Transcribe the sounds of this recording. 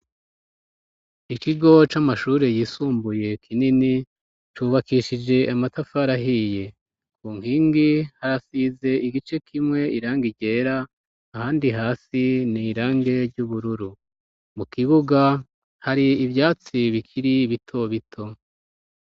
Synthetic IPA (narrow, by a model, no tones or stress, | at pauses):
ikiɡo̞t͡ʃamaʃuːɾe̞jiːsuːmbuje̞kʰinini | t͡ʃuːβakiʃid͡ʒe̞ʔamatafaɾaɦije | kuːŋ̥hiːŋɡihaɾasiːze̞iɡit͡ʃe̞kʰimŋe̞ʔiɾaːŋɡiɟe̞ːɾaː | haːndiɦaːsiniɾaːŋɡe̞ɾɟuβuɾuɾu | mukiβuɡa | haɾiːβjaːt͡siβikʰiɾiβitʰo̞βitʰo̞